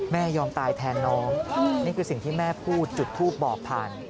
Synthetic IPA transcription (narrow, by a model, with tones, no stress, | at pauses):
mɛː˥˩jɔː˧mt̪aː˧jt̪ʰɛː˧nːɔː˦˥ŋniː˥˩kʰɯː˧si˨˩ŋt̪ʰiː˥˩mɛː˥˩pʰuː˥˩t̪̚t͡ɕu˨˩t̪ʰːuː˥˩p̚bɔː˨˩k̚pʰa̰ː˨˩n